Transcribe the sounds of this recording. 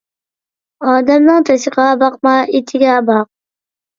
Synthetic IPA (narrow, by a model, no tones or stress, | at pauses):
ɑːd̪amnɪŋt̪ʰasɪqɑːbɑq̚maɪt̪ʰɪɡʲabɑq̚